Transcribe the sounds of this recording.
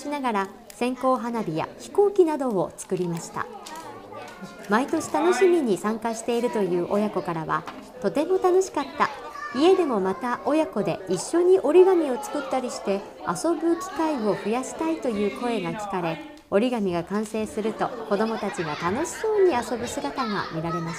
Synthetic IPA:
inaɡaɾa | sẽ̞ŋko̞ːɦanabʲija̰çi̥ko̞ːkʲinad̪o̞ːt͡sɨ̥kɯ̟ɾʲimaɕi̥t̪a̰ | mait̪o̞ɕi̥t̪ano̞ɕimʲiɲ̟isãŋkaɕi̥t̪e̞iɾɯ̟t̪o̞jɯ̟ːʔo̞jako̞kaɾaβa̰ | t̪o̞t̪e̞mo̞t̪ano̞ɕi̥kat̪ːa̰ie̞d̪e̞mo̞mat̪aʔo̞jako̞d̪e̞iɕːo̞ɲ̟iʔo̞ɾʲiɡamʲio̞t͡sɨ̥kɯ̟t̪ːaɾʲiɕi̥t̪e̞ | a̰so̞bɯ̟kʲi̥kaio̞ɸɯ̟jaɕi̥t̪ait̪o̞jɯ̟ːko̞e̞ɡakʲi̥kaɾe̞ | o̞ɾʲiɡamʲiɡakãɰ̃se̞ːsɨɾɯt̪o̞ko̞d̪o̞mo̞t̪at͡ɕiɡat̪ano̞ɕi̥so̞ːɲ̟iaso̞bɯ̟sɨɡat̪aŋa̰mʲiɾaɾe̞maɕa

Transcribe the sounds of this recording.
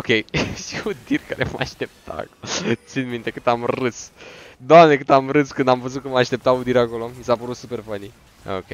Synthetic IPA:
okʲejʃiud̪irʲka̰ɾemaaʃt̪e̞p̚t̪ʰa̰kot̪sinmint̪e̞kɨt̪amrɨsd̪oamne̞kɨt̪amrɨskɨnd̪amvəzut̪̚kəmaaʃt̪e̞p̚t̪aud̪iɾako̞lomisapəɾut̪supe̞rfani | o̰kʲej

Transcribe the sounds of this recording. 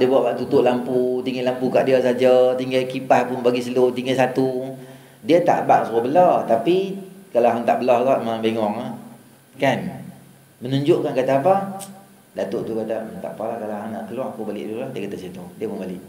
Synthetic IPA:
dəbuaʔkaʔt̪ut̪ʊʔlamput̪iŋalampuka̰ʔdiasad͡ʒat̪iŋɡakipahpʊnbaɡisəlut̪iŋɡasat̪u | diət̪a̰ʔba̰ʔsuəbəlaht̪apikalaɦaŋt̪a̰ʔbəlahɡaʔmãbeŋɔŋa | kan | mənuɲd͡ʒʊʔkankat̪aːpa | dat̪oʔt̪ukat̪at̪a̰ʔpalahkalaɦaŋna̰ʔkəlwaŋakubalɪ̰ʔdulahdiakat̪asit̪udiəpʊnbalɪʔ

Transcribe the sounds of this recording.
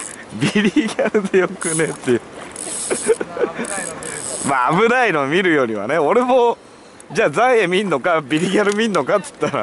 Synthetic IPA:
bʲiɾʲiiɡʲaɾɯ̟d̪e̞jo̞kɯ̟ne̞t̪ːejɯ̟ | maːbɯ̟ɾaiɾõmʲiɾɯ̟jo̞ːɾ̟ʲiβa̰ne̞o̞ɾe̞mo | d͡ʑaːzãɰ̃emʲĩnːo̞kabʲiɾʲiɡʲaɾɯ̟mʲinːo̞kat̪ɨ̥t̪ːaɾa̰

